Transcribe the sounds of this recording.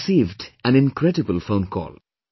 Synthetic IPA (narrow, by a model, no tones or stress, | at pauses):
siːvdæ̃nɪ̃nkɾɛdɨbəlfõʊ̃nkʰɔ̰ːlˠ